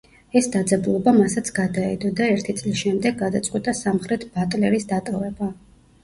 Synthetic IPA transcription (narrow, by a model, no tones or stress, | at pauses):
ɛsd̪ad̪zɛbulˠɔbamasat̪sʰɡ̥ad̪aɛ̰d̪ɔd̪aɛɾt̪ʰit̪sʼlisʃɛmd̪ɛɡːad̪at̪sʼqʼwit̪ʼasamχɾɛt̪ʰbat̪ʼlɛɾisd̪at̪ʼɔvɛba